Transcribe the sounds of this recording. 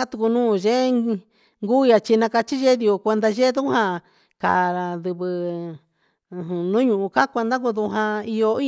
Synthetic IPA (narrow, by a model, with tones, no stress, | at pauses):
a˦t̪u˧ku˧nũː˦˨ʒe˦ | ŋɡu˦˧ja˧t͡ʃi˧nã˧ka˧t͡ʃi˦ʒe˦ði˧o˧˨kʷe˧nd̪a˧ʒe˦ðu˦hã˧ | ka̰˨ɾa˧d̪ɨ˧βɨ˧˨ | ɦnũ˦ɲũ˧˨ʔũ˧ka˦kʷe˧nd̪a˦ku˧ðu˧ɦã˧i˧jo˧i˦